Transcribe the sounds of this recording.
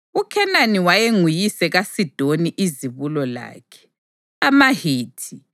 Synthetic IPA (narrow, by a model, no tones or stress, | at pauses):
ukʰɛnaniwajeŋujisɛɣasid̥ʱoniʔiziβulɔla̰ːkʰɛ̥ | amahiːtʰi